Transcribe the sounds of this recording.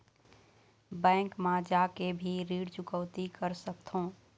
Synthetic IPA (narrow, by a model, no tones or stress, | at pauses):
bɛ̃ːŋkmãd͡ʒakebʱiɾiɽd͡ʒʊkəʊt̪ikəɾsək̚t̪ʰõ